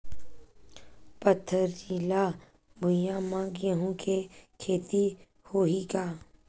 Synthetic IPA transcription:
pət̪ʰːəɾila | bʱʊ̃jãmãːɡeɦũkʰekʰeːt̪i | hoːɦiɡaː

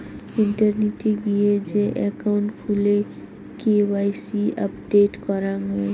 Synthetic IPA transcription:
ɪɳʈəɾniʈiɡied͡ʒeʔɛkaʊ̃ɳʈkʰule | kewaːɪsiə̰pɖeːʈkɔɾaŋɦe

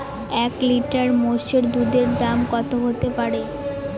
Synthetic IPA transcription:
ɛkliʈaɾmoʃeɾd̪ud̪eɾd̪amkɔt̪ʰoɦot̪epaɾe

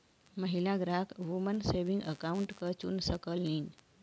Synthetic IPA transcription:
məɦilaɡɾakʋumənseʋiŋɡəkauɳʈkət͡ɕṵːnsəkəliːn

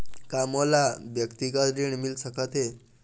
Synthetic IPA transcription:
kamɔlabjəkt̪ikat̪ɾiɳmilsəkat̪e

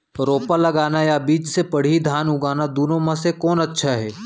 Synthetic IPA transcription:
ɾoːpalɐɡaːnajabiːt͡ʃsepɐɽ̤id̪ʱaːnʊɡaːnad̪uːnõmãsekɔːnɐtːʃʰaɦɛː

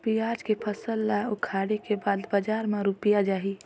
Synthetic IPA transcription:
pijaːd͡ʒkepʰəsəlːaʊkʰaːɽekebaːd̪bəd͡ʒaːɾmeɾupijad͡ʒaːɦi

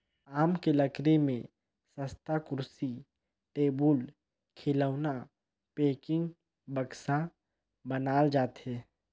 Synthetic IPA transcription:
aːmkeləkɾemẽ | səst̪akʊɾsi | ʈeːbʊl | kʰɪləʊna | peːkɪ̃ŋɡ | bəksa | bənaːld͡ʒaːt̪ɦɛː

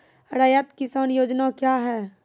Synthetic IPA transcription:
ɾaːjət̪kɪsaːnjoːd͡ʒnakjaːɦɛː

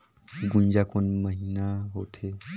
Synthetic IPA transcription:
ɡund͡ʑakonməɦinaɦot̪ʰe

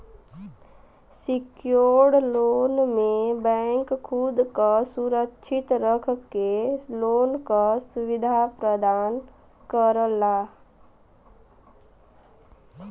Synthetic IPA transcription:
sikjoɽloːnmebɛ̃ŋkːʰud̪kasuɾəkʃʰɪt̪ɾəkʰkeloːnkasuʋɪd̪ʱapɾəd̪aːn | kəɾla

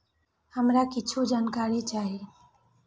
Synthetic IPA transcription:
həmɾakɪt͡ʃʰod͡ʒaːnkaːɾet͡ʃaːɦeː

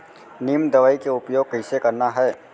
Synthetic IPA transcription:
niːmd̪ɐʋaːikeʊpjoːɡ̚kəɪsekɐɾnaɦɛː

